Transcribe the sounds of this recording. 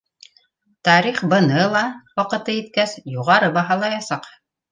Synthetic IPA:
t̪ɑɾiχbɤ̆nɤlˠɑwɑqɤ̆t̪ɤit̪̚kæsjuʁɑɾɤbɑɦɑlˠɑjɑsɑq

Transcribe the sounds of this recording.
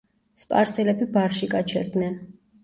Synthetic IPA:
spʼa̰ɾsɛlɛbibaɾʃiɡat͡ʃʰɛ̰ɾd̪nɛn

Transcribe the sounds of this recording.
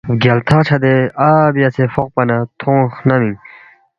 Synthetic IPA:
ɡʲalt̪ʰat͡ɕʰad̪eabiat͡sʰefɔq̚panat̪ʰoŋχnamiŋ

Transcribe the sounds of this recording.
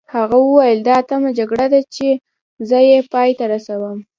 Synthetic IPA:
haɣawəwajəld̪ɑat̪amad͡ʒaɡɽad̪at͡ʃe | zəjepɑjt̪aɾasawəm

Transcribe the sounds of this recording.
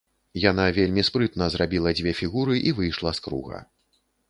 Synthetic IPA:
janavʲelʲmʲispɾɨt̪nɐzɾabʲilˠɐd͡zʲvʲɛfʲiɣuɾɨʔivɨjʂlˠɐskɾṵɣɐ̰

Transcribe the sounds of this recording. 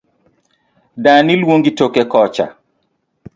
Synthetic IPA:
danilwoŋɡitokekɔt͡ʃa̰

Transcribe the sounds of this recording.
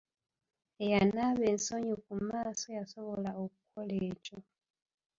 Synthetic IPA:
ejanaβeːnsoɲukumaːso̞jaso̞βo̞laokukʰoleːco

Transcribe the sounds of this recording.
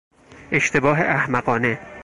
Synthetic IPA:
eʃt̪ʰe̞bɒːɦeʔæhmæɢɒːne

